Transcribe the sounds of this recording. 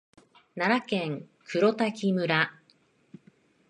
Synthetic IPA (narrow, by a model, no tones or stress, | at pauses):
naɾakẽŋ | kʰɯ̟ɾo̞t̪akʲimɯ̟ɾa